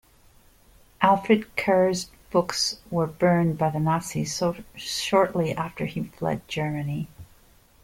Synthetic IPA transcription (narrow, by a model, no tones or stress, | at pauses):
ʔælˠfɹɨd̚kʰɜ˞z | b̥ʊkswə˞bɜ̃˞nbaɪðɨnɑsi | ʃɔɹʔliʔæftə˞iflɛ̰d̚d͡ʒɜ˞mɨni